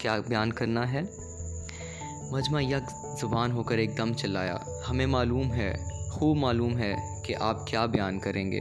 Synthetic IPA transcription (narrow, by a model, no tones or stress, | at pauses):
kjaːbjaːnkɐɾnaɦɛː | mɐd͡ʒmajɐk | zɐbaːnɦoːkəɾeːk̚d̪ɐmt͡ʃɐla̰ːja̰ː | hɐmẽmaːluːmɦɛːxuːbmaːluːmɦɛ | keʔaːp̚kjaːbjaːnkɐɾʔẽːŋɡḛː